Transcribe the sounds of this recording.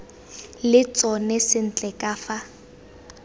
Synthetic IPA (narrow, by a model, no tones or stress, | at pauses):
lɪt͡sʼɔnɛsɪn̩t͡ɬʼɛkʼaːfa